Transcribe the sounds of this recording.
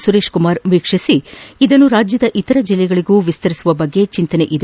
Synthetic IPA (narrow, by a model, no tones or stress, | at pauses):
suɾe̞ːʂkumaːɾʋiːkʂisiid̪ɐnːuɾaːd͡ʒjɐd̪ɐʔit̪ɐɾɐd͡ʒilːɛɡɐɭiɡuːʋist̪ɐɾisuʋɐbɐɡːe̞t͡ʃint̪ɐneʔid̪